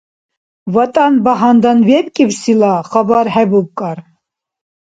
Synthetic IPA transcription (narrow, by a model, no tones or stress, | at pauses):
vat̪ʼanbaɦand̪anvɛpkʼibsilaχabɑɾhɛbup̚kʼaɾ